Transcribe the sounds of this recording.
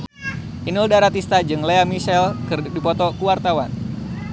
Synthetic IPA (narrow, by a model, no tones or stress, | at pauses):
ʔinuldaɾat̪ist̪ad͡ʒɨŋleamisɛlkɨrdipɔt̪ɔkuwart̪awan